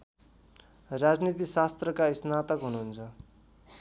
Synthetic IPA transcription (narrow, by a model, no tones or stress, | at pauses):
rad͡znit̪isast̪rʌkaisnat̪ʌkɦunuːnt͡sʰʌ